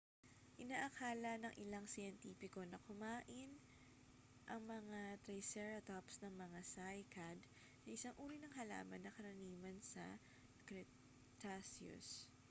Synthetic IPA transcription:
ʔɪnaːʔɐkʰaːlɐnɐŋʔɪlaŋsɪjɛnt̪iːpɪko̞nɐkʊmaːʔɪn | ʔɐŋmɐŋat̪ɾɐjsɛɹɐt̪opsnɐŋmɐŋasajkad̪ | nɐʔɪsaŋʔuːɾinɐŋɦɐla̰ːmɐnːɐkɐɾɐniːmɐnsɐ̰ | kɾɛ | t̪asjʊ̰s

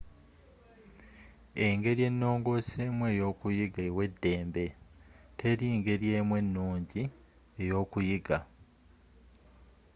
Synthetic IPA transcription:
eŋɡe̞ɾje̞nːo̞ːŋɡo̞ːse̞ːmwe̞ːjo̞ːkujiɡawe̞dːe̞ːmbe̞tʰe̞ɾiŋɡe̞ɾje̞ːmwe̞nːuːɲɟi | ejo̞ːkujiɡa

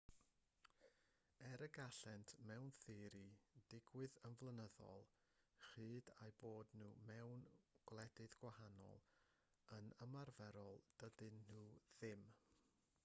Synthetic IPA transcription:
ɛɾəɡaɬɛntʰmɛwnθɨɾid̥ɪɡwɨðənvlˠənəðɔ̰lˠ | χɨːdajboːdnuːmɛwnɡ̥lˠɛdɨðɡwahanɔ̰lˠ | ənəmarvɛɾɔlˠd̥ədɨnːuːðɪm

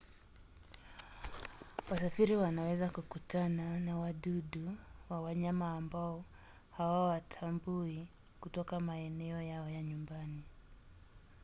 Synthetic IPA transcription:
wasafiɾiwanawɛzakukutananawaɗuɗuwawaɲamaːmbaɔ | hawawatʰambui | kutɔkamaɛnɛɔjaɔjaɲumbani

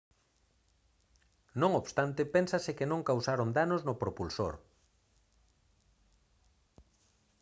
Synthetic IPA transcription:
nõŋoβst̪ant̪ɪpensasɪkenõŋkawsaɾond̪anoznopɾopulso̰ɾ

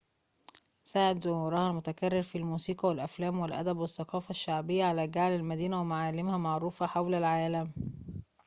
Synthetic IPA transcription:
saːʕɪt̪zʊhuːɾɑhælmʊt̪ækærːɪɾfilmuːsiːqɑwælʔæflæːmwɪlʔæ̰d̪æbwɪθːɑqɑːfæʃːaʕbɪjːaʕalæːɡaʕlælmæd̪iːnæwɪmaʕaːlɪmhæmaʕɾuːfæħawlælʕaːlæm

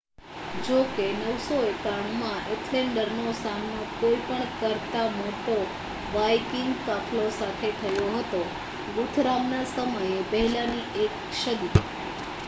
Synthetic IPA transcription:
d͡ʒokenəʋsoekaɳmãʔeʈʰleɳɖəɾnosamnokoipəɳkəɾt̪amoʈo | ʋajkiŋɡkakʰlosat̪ʰet̪ʰəjoɦət̪o | ɡut̪ʰɾamnasəməjepəɦlaniek | ʃəd̪i

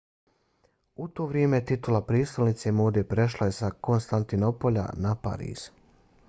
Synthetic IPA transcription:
ut̪o̞ːʋɾjeːmet̪it̪ulapɾiːst̪olnit̪semoːd̪epɾe̞ʃlaje̞sako̞nst̪ant̪ino̞po̞ʎa̰napa̰ɾḭːz̥

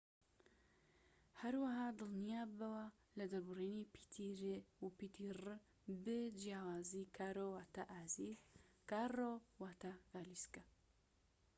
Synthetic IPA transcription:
hɐɾwaɦaːd̪ɨlnijaːbɐwa | lɨd̪ɐɾbɨreːnipʰi̥t̪ʰiɾeupit̪ʰiːrɨ | bɨd͡ʒijaːwaːziːkʰaːɾowaːt̪aʔaːzikaːrowaːt̪aɡaːliska

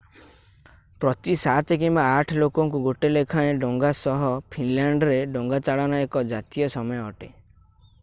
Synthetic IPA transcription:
pɾɔt̪isat̪ɔk̬imbaːʈʰɔlokɔŋkuɡoʈelekʰaẽɖoŋɡasɔɦɔpʰinlaɳɖɾeɖoŋɡat͡ʃaɭɔnaekɔd͡ʒat̪ijɔsɔmɔjɔɔʈe

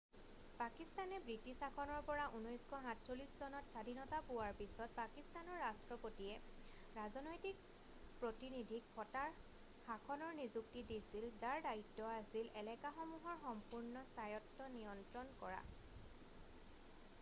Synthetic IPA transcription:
pakistanɛbɹitisakʰɔnɔɹpɔɹaʔunɔjskʰɔɦãtsoliszɔnɔtsadinɔtapuwaɹpisɔt̚pakistanɔɹːastɹɔpotiɛ | ɹazɔnɔjtik̚ | pɹotinidʱikpɔtaɹ | xakʰɔnɔɹnizuk̚tidisilzaɹdaitːɔasilʔɛlɛkaxɔmuɦɔɹxɔmpuɹnɔsajɔtːɔnijɔntɹɔnkɔɹa̰

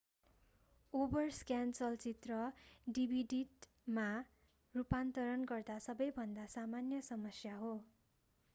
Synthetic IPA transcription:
obʌrskjant͡sʌlt͡sit̪rʌɖibʱiɖiɖ | ma | rupant̪ʌɾʌnɡʌrd̪asʌbʌjbʱʌnd̪asamanjʌsʌmʌsjaɦo

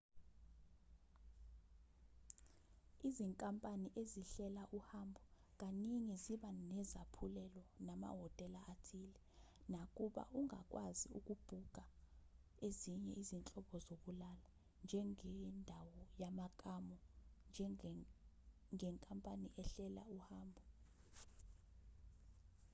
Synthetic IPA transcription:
iziŋkʼampʼaniʔeziɬɛlaʔuhambʱɔ | k̬ʼaniŋiziɓanɛzapʰulɛlɔnama̰ɦɔtʼɛlaʔatʰilɛ | nakʼuɓa̰ʔuŋʱa̰kʼwaziṵk̬ʼub̥ʱuɡ̥ʱa | eziɲɛ̰izint͡ɬʼɔɓɔzok̬ʼulala | nd͡ʒʱɛŋɛndʱawɔjamakʼamɔnd͡ʒʱ | ŋɛŋkʼampʼaniʔɛɬɛla̰uhaːmbʱɔ

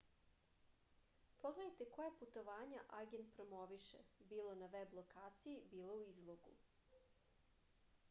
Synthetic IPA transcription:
pʰoɡleajt̪ekojaput̪o̞ʋaːɲaʔaɡend̪̚pɾomoʋiʃebiːlo̞naʋeblˠokaːt̪sijibiːlˠouizlˠoɡṵ

